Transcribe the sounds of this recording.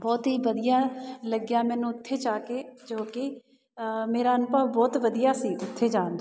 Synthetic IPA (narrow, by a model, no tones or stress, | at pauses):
bɔːt̪ɦiːʋəd̪ɪjãːləɡjaːmɛ̃ːnũːʊt̪ʰːeːt͡ʃaːked͡ʒoːkɪ | meːɾaːənpaːbɔːt̪ʋəd̪ijaːsiːʊt̪ʰːeːd͡ʒãːnd̪